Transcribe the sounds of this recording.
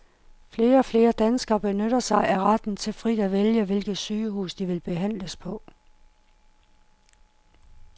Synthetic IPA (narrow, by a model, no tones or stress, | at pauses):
fle̝ːɐɒ̽fle̝ːɐd̥ænsɡ̥ɐb̥e̝nøɾ̥ɐsɑ̈ɪʔæʁɑd̥n̩t͡sʰe̝lfʁḭd̥æʋeljəʋe̝lɡ̥ð̩ˠsyːɦṵːsd̥iʋe̝lb̥e̝ɦæn̰ləspʰɒ̽